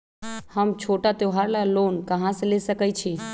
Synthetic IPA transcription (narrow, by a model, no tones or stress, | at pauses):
həmt͡ʃʰoʈat̪oɦaɾlalonkəɦãselesəkət͡ʃʰi